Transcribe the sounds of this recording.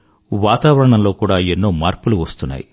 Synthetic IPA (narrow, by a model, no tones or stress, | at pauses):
ʋaːt̪aːʋɐɾɐɳɐmlo̞ːkuːɽaːenːo̞ːmaːɾpuluʋɐst̪unːa̰ːji